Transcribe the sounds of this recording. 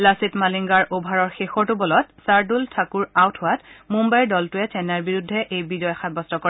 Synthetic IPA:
lasitmaliŋɡaɹobʱaɹɔɹxexɔɹtʊbɔlɔtsaɹdultʰakuɹawtʰʊwatmumbajɹdɔltʊɛtɛnaɹbiɹudʱːɛʔejbizɔjxat̚bɔstɔkɔɹ

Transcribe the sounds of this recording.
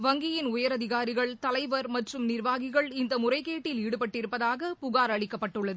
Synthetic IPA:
ʋɐŋɡɪjɪnʊjɐɾɐðɪɣaːɾɪɣɐɭt̪ɐlɐɪʋɐɾmɐʈrɯmnɪrʋaːɣɪɣɐɭɪnd̪ɐmʊrɐɪkeːʈːɪliːɽɯpɐʈːɪɾɯpːɐðaːɣɐpʊɣaːɾɐɭɪkːɐpːɐʈːɯɭːɐðɯɯ

